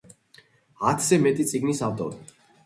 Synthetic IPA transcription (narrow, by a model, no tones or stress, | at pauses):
at̪ʰz̥ɛmɛt̪ʼit̪sʼiɡnisavt̪ʼɔ̰ɾi